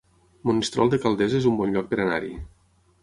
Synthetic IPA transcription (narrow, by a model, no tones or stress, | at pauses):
munist̪ɾɔ̰lˠd̪ekalˠd̪ezezumbɔnʎɔk̚peɾena̰ɾḭ